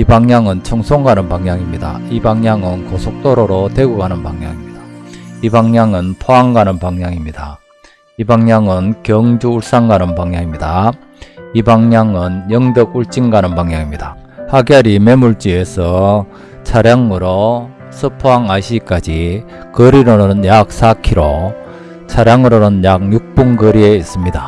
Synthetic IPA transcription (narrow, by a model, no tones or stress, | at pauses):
ibaŋɲaŋɯnt͡ɕʰʌŋsʰoŋɡanɯnpaŋɲaŋimɲida̰ibaŋɲaŋɯnkosʰok̚t͈oɾoɾote̞ɡuɡanɯnpaŋɲa̰ŋimɲid̥ḁibaŋɲaŋɯnpʰoaŋɡanɯnpaŋɲaŋimɲida | ibaŋɲaŋɯnkjʌŋd͡ʑuːɭs͈aŋɡanɯnpaŋɲaŋimɲida | ibaŋɲaŋɯnjʌŋdʌkuɭt͡ɕ͈iŋɡanɯnpaŋɲaŋimɲida | haɡjaɾime̞muɭt͡ɕ͈iesʰʌ | t͡ɕʰaɾjaŋɯɾo | sʰɯpʰoaŋaɕʰik͈ad͡ʑi | kʌɾiɾonɯnjak̚sʰakʰiɾo | t͡ɕʰaɾjaŋɯɾonɯnjak̚ɲuk̚p͈unɡʌɾie̞is͈ɯmɲida